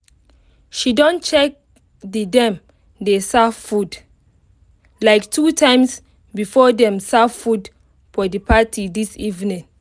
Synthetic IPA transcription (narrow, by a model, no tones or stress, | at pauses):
ʃidɔ̃nt͡ʃɛk̚ | didɛ̃m | desavfud | laɪktʰutʰãɪ̃ms | bifɔdɛ̃msavfud | fɔdipatidisivnĩŋ